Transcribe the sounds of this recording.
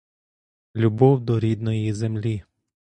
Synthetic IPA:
lʲubɔwd̪ɔɾʲid̪nɔjizemlʲi

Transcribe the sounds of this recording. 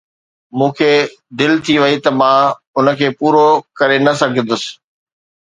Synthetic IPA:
mũːkʰeː | d̪ɪlt̪ʰiʋɐit̪ɐmã | ʊnəkʰeːpuːɾokɐɾenɐsɐɡ̪̃ʱd̪ʊsɪ̥̆

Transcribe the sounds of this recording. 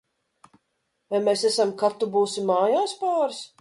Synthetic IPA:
vajmesɛsamkat̪ːubuːsimaːjaːspaːɾs

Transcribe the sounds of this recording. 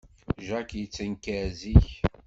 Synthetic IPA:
ʒækjət͡sːənkæziç

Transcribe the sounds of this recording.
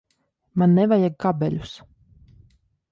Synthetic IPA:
manːɛvajaɡkabɛ̰lʲus

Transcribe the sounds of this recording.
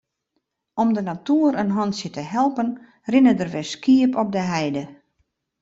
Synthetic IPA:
ɔmdənatuəɾənɦɔnsjətəɦɛlˠpən | rɪnədərʋɛskiəpɔp̚dəɦɛjdə

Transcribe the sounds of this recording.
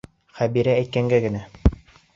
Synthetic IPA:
χæbiɾæːjt̪̚kæŋɡæɡɘ̆næ

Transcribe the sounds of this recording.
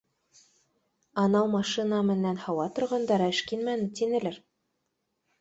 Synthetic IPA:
ɑnɑwmɑʃinɑmɘ̆nænhɑwɑt̪ŏɾʁɑnd̪ɑɾæɘʃkinmænɘt̪inɘ̆lɘɾ

